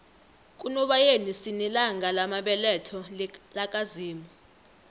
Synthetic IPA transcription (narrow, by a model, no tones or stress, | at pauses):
k̬ʼunɔɓajenisinilaŋɡʱalamaɓɛlɛtʰɔlakʼaziːmu